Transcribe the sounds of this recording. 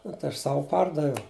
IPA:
nʊ tɐɪ ˈɐʃ ˈsɑːʋʊ ˈpɐrdɐʋʲɛʊ

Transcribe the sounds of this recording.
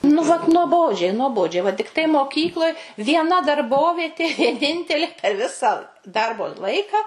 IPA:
nʊ ʋɐt nuɔˈboːd͡ʒʲɛɪ nuɔˈboːd͡ʒʲɛɪ ʋɐ tʲɪkˈtɐɪ moːˈkʲiːklˠoːj ʋʲiɛˈnɐ dɐrˈboːʋʲiɛtʲeː ʋʲiɛˈnʲɪnʲtʲɛlʲeː pʲɛr ˈʋʲɪsɑː ˈdɐrboː ˈlˠɐɪkɐ

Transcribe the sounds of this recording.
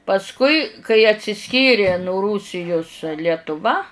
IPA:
pɐsˈkʊɪ kɐɪ ɐtʲsʲɪˈsʲkʲiːrʲɪ nʊ ˈruːsʲɪjʊs lʲiɛtʊˈʋɐ

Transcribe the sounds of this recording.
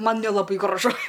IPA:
ˈmɐn nʲɛlˠɐˈbɐɪ ɡrɐˈʒʊ

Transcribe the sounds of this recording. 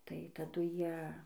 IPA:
tɐɪ tɐˈdʊ ˈjiɛ

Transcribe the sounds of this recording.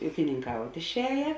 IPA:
uːkʲɪnʲɪŋˈkɐʊtʲ ɪʃʲˈɛːjɛ

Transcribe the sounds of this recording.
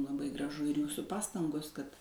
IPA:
lˠɐˈbɐɪ ɡrɐˈʒʊ ɪr ˈjuːsʊ ˈpɑːstɐŋɡoːs kɐt

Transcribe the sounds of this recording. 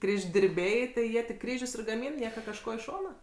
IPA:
ˌkrʲiːʒʲdʲɪrʲˈbʲɛɪ tɐɪ ˈjiɛ tʲɪk ˈkrʲiːʒʲʊs ɪr ɡɐˈmʲiːn ˈnʲiɛkɐ kɐʃˈkoː ɪ ˈʃoːnɐ

